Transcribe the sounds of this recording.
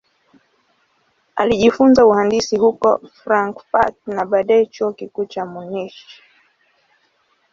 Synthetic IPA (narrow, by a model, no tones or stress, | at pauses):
a̰liʄifunzauhandisihukɔ̰fɾaŋkpat̚naɓaɗaɛt͡ʃuɔkikuːt͡ʃamuniʃi̥